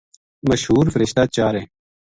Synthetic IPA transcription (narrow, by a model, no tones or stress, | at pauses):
məʃɦuːɾfəɾɪʃt̪aːt͡ɕaːɾeː